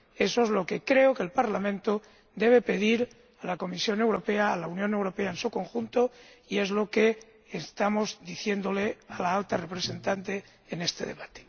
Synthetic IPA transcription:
e̞soezlokekɾe̞okelpaɾlamẽnt̪o | d̪e̞β̞e̞pe̞ð̞iɾ | alako̞misjo̞ne̞wɾo̞pe̞aːlaunjone̞wɾo̞pe̞aensuko̞ŋxunt̪o | ie̞zlo̞keː | st̪amo̞zd̪iθje̞nd̪o̞lealaalt̪arepɾese̞nt̪ant̪e̞ː | ne̞st̪e̞̰ðe̞̰βat̪e̥

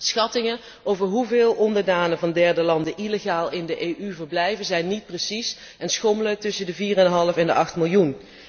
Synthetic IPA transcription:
sxɑtɪŋən | owvəɹɦuvɪːlˠʔɔndəɹdaːnəvɑndɛɹdəlɑndəʔileɣaːlˠɪndəʔejʔyvəɹblɛjvəzɛjnːit̚prəsis | ɛnsxomələk̚tɵsəndəviːrɛnɦɑlˠəfɛndəʔɑχtmɪlˠjun

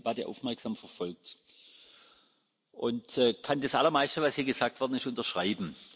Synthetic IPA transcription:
b̥atəʔa̰ʊfmɛɐksaːmfɛɐfɔlk̚t | ʔʊntɛːkʰandasʔa̰lɐmaɪstəvashiːɐɡəz̥aːk̚tv̥ɔɐdn̩ɪstʊntɐʃʁ̥aɪbm̩

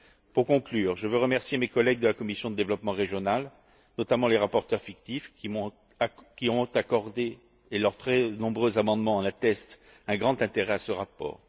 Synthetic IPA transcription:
puʁkɔ̃klyːʁʒəvøʁəmɛʁsjemekɔlɛɡ̚d̪əlakɔmisjɔ̃d̪əd̪evlɔpmɑ̃ʁeʒjɔnal | nɔt̪amɑ̃leʁapɔʁt̪œʁfikt̪ifimɔ̃ | kʲiɔ̃t̪akɔʁd̪eː | lœʁt̪χɛnɔ̃bʁøzamɑ̃d̪mɑ̃ɑ̃nat̪ɛst̪ | ɛ̃ɡʁɑ̃t̪ɛ̃t̪eʁɛasəʁapɔ̰ːʁ

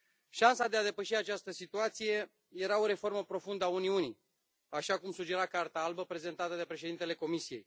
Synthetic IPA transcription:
ʃansad̪ead̪e̞pəʃiat͡ʃast̪əsit̪uat̪sije̞ | je̞ɾao̞ɾe̞fo̞rməpɾo̞fund̪əauniuni | aʃakumsud͡ʒe̞ɾakart̪aalbəpɾe̞ze̞nt̪at̪əd̪e̞pɾe̞ʃ̬eint̪e̞le̞ko̞misije̞j

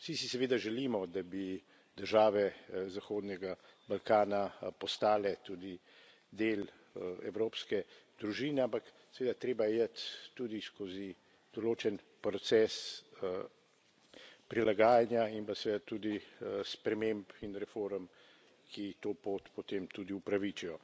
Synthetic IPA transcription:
sisisɛʋeːd̪aʒɛliːmɔd̪abi | d̪əɾʒaːʋɛzaxoːd̪nɛɡabalkaːnapɔst̪aːlɛt̪uːd̪i | d̪eːl | ɛ̰wɾoːpskɛd̪ɾuʒiːnɛampak | sɛʋeːd̪at̪ɾeːbajɛjət̪ːud̪iskozi | d̪̥ɔloːt͡ʃɛn | pɾɔt̪sɛːs | pɾilaɡaːjanjaimpasɛʋed̪at̪ud̪ispɾɛmempinɾɛfoːɾm | kʰit̪oːpoːt̪pɔt̪emt̪uːd̪iupɾaʋit͡ʃijɔ

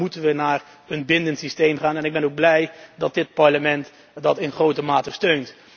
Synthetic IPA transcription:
utənʋənaːr | ənbɪndəntsistejmχaːnɛnɪɡ̚bɛnowɡ̚blɛjdɑt̚dɪt̚pɑɹləmɛnt | dɑtɪnχrowtəmaːtəstøɥnt

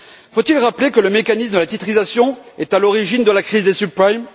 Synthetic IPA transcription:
fot̪ilʁaplekələmekanis̬məd̪əlat̪it̪χizasjɔ̃ɛt̪alɔʁiʒind̪əlakχizd̪esypajm

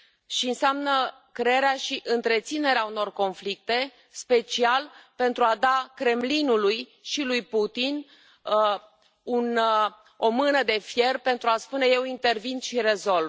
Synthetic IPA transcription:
ʃiɨnseamnə | kɾeeɾeaʃiʔɨnt̪ɾe̞t̪sine̞ɾeauno̞rko̞nflik̚t̪e̞ | spe̞t͡ʃialpe̞nt̪ɾuad̪akɾe̞mlinulujʃilujput̪in | un | o̞mɨnəd̪e̞fje̞rpe̞nt̪ɾuaspune̞je̞wint̪e̞rvinʃiɾe̞zo̞lv

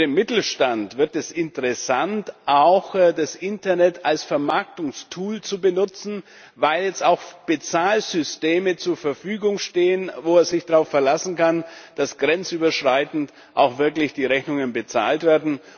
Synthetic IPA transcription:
deːmɪtl̩ʃtantv̥ɪɐtɛsɪntəʁɛsantʔaʊxdasʔɪntɐnɛtʰalsfɛɐmaɐk̚tʊŋstʰuːlt͡subənʊt͡sn̩ | vaɪljɛt͡staʊxb̥ət͡saːlzʏsteːmət͡suːɐfɛɐfyːɡʊŋʃteːənvoːɛːzɪçd̥aʁaʊffɛɐlasn̩kand̥asɡ̥ʁɛnt͡syːbɐʃʁ̥aɪtn̩t | ʔa̰ʊxv̥ɪɐklɪçd̥iːʁɛçnʊŋənbət͡sa̰ːltv̥eːɐdn̩

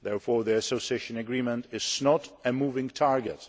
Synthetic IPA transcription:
ðɛɹfɔɹðiəsosieʃə̃nɨɡɹĩmə̃ntɪz̥nɔɾɨmuːvɪ̃ŋtʰaɹɡət

